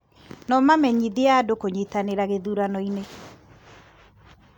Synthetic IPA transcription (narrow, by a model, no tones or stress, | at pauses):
nɔmamɛɲiðiadokoɲetaneɾaɣeðuɾanɔine